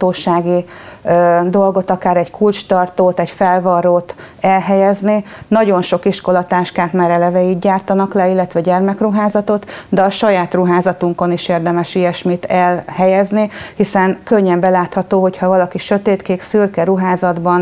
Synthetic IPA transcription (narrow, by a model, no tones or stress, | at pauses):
t̪oːʃaːɡi | d̪o̞lɡo̞t̪ɒkaːɾɛɟkʰult͡ʃt̪ɒrt̪oːt̪ɛɟfɛlvɒɾoːt̪ | ɛlɦɛjɛzninɒɟo̞nʃo̞kiʃko̞lɒt̪aːʃkaːt̪maːɾɛlɛvɛiːd̪ɟaːrt̪ɒnɒklɛilːɛt̪ʋɛɟɛrmɛkruɦaːzɒt̪o̞t̪d̪ɛɒʃɒjaːt̪ruɦaːzɒt̪uŋko̞niʃeːrd̪ɛmɛʃijɛʃmiːt̪ɛlhɛjɛznihisɛnkøɲːɛmbɛlaːt̪hɒt̪oːɦo̞chɒvɒlɒkiʃøt̪eːt̪keːksyrkɛɾuɦaːzɒd̪bɒn